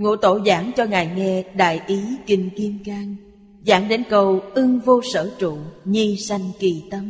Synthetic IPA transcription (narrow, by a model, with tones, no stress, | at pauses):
ŋo̰˧˥t̪o˧˩zaː˧˩˦ŋt͡ɕɔ˧ŋaː˨˩jŋɛ˧ɗa̰ː˧˨jʔi˨˦kï˨˩ŋ̟ki˧əmkaː˧ŋ | za̰ː˧˥ŋɗe˨˦nkə˨˩wʔɨ˧ŋvo˧sə̰ː˧˩t͡ɕṵ˧˨ɲi˧sa˧jŋ̟ki˨˩t̪ə˧˦m